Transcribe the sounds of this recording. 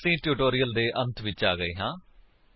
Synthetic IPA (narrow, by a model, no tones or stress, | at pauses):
sĩːʈjuːʈoːɾijəld̪eːʔə̃nt̪ʰʋɪt͡ʃaːɡəḛːɦãː